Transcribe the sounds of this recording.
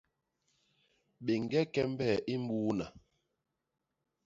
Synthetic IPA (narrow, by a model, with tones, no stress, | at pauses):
ɓe˨ŋ˨ɡɛ˦kɛ˦m˦bɛ˦˨ʔi˦m̩˦buː˦na˨